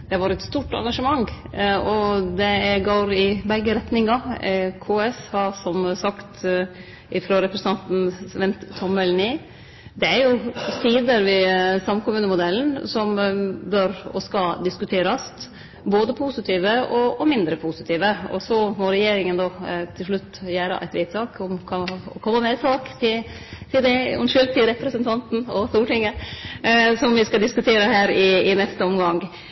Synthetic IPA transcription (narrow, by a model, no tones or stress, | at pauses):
d̪̥ɛhɑʋɑːɾɛt̪st̪uːʈɑ̰ŋɡɑʂəmɑŋː | ɔd̪ɛɡoːɾɪbɛɡːəɾɛt̪nɪŋɑkʰoːɛshɑsɔmsɑkt̪ | ɪfɾɔɾɛpɾəsɑnt̪n̩ʋɛnt̪ʰːɔmːɛlniː | d̪ɛæɾjʊsiːd̪əɾʋɪsɑmkʊmʉːnəmʊd̪ɛlnsɔmbœɾɔ̰skɑd̪ɪskʉt̪ʰeːɾɑst̪ | boːd̪əpʰuːsɪt̪ʰiːʋəɔɔmɪnd̪ɾəpʰuːsɪt̪ʰiːʋəɔ̰sɔmɔɾɛjeːɾɪŋənd̪oːt̪ʰɪlʂɭʉt̪ːjæːɾə̰ʔæ̰ɪʋiːt̪ʰːɑːkɔmkʰɑɔ̰kʰɔmːəmɛsʰɑːkt̪ʰɪ | t̪ʰɪld̪ɛɔnʃʏlt̪ʰɪɾɛpɾɛsənt̪ʰɑnt̪n̩ɔst̪uːʈɪŋːə | sɔmʋɪskɑd̪ɪskʉt̪ʰeːɾəhæːɾɪːnɛst̪əɔmɡɑŋ